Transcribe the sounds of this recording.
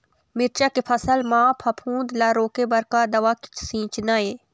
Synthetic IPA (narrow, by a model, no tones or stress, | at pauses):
mɪɾt͡ʃaːkepʰɐsəlmãːpʰɐpʰũːnd̪laːɾoːkebɐɾkaːd̪ɐʋaːki̥t͡ʃʰsĩːt͡ʃnaːeː